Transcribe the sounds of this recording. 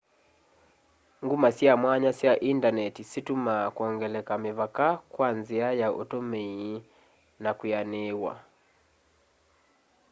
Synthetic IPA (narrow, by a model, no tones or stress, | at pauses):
ŋɡumasiamwaɲasiaʔindanɛtisitumakuɔŋɡɛlɛkamivakakwanziajaʔṵtɔmɛi | nakujanɛwa̰